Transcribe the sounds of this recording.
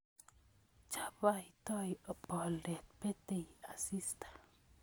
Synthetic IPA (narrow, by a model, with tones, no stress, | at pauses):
t͡ʃḁbait̪o˦jə˨pɔ˨lɾe˨t̪̚pe˦t̪ea˨sist̪ḁ